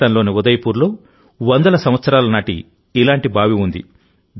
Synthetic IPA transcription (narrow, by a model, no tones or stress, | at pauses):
ɐnloːniud̪ɐjɐpuːɾlo̞ː | ʋɐnd̪ɐlɐsɐmʋɐt̪sɐɾaːlɐnaːʈḭ | ilaːɳʈibʱaːʋiund̪ḭ | d̪